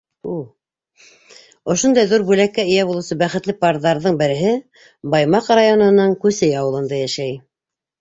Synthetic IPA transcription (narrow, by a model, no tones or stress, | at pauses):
u | ŏʃond̪ɑjðuɾbʉlækːæɘ̆jæbulˠɤ̆wsɤbæχɘ̆t̪lɘpɑɾðɑɾðɤɴbɘ̆ɾɘ̆ɦɘ | bɑjmɑqrajonɤ̆nɤŋkʉsɘjɑwɤ̆lˠɤ̆nd̪ɑjæʃæj